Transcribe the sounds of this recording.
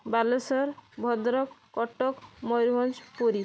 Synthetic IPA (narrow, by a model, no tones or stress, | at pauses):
balesɔɾbʱɔd̪ɾɔkːɔʈɔkmɔjɾbɔnd͡ʒpoɾi